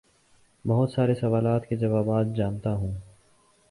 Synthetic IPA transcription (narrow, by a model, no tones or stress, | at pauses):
bɐɦʊt̪saːɾesɐʋaːlaːt̪ked͡ʒɐʋaːbaːt̪̚d͡ʒaːnt̪aɦũː